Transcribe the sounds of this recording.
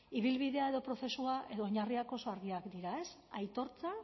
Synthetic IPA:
iβ̞ilβiðe̞ae̞ðopɾo̞θe̞suaʔe̞ðo̞ːɲariako̞so̞aɾɣiakd̪iɾae̞sajt̪o̞ɾt͡sa

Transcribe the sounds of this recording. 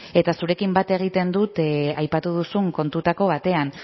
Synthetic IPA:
e̞t̪asuɾe̞kimbat̪e̞ɣ̞it̪e̞nd̪ut̪ajpat̪uð̞usuŋko̞nt̪ut̪ako̞β̞at̪e̞an

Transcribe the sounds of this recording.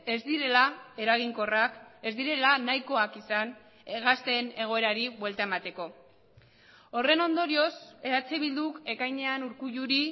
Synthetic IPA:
e̞zd̪iɾe̞lae̞ɾaɣ̞iŋko̞rake̞zd̪iɾe̞lanajko̞akisan | eɣast̪e̞ne̞ɣ̞o̞e̞ɾaɾiβwe̞lt̪ae̞mat̪e̞ko̞ | o̞re̞no̞nd̪o̞ɾio̞se̞ɾat͡siβ̞ild̪uke̞kajɲe̞anuɾkuʝuɾi

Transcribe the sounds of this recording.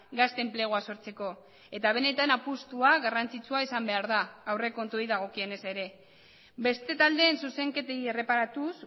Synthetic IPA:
ɡast̪e̞mpleɣ̞oaso̞ɾt͡se̞ko̞ | e̞t̪aβ̞e̞ne̞t̪anapust̪uaɣarant͡sit͡suaisambe̞aɾðaːwre̞ko̞nt̪uoiðaɣ̞o̞kie̞ne̞se̞ɾe̞ | be̞st̪e̞t̪ald̪e̞ːnsuse̞ŋke̞t̪eiere̞paɾat̪us

